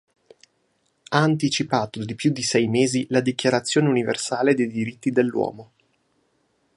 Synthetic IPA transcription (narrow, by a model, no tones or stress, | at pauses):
aːnt̪̬it͡ʃipaːt̪od̪ipjud̪ːisɛjmeːzilad̪ikjaɾat̪sːjoːneunivḛrsaːled̪ejd̪iɾit̪ːid̪elːwɔ̰ːmo